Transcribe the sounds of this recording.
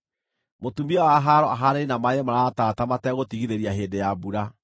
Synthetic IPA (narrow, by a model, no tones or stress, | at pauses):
motumiɔwaɦaɾɔʔaɦaɾeɾinamaɲɛmaɾaːtaːtamatɛɣotiɣiɾeɾiaɦeːndejabuɾa